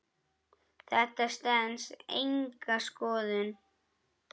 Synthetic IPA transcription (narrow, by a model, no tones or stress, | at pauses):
θɛht̪ast̪ɛnsḛjŋkaskɔːðɪn